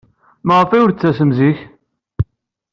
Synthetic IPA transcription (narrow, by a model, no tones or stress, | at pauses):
məʁəfæʊɾt͡sːæsəmziç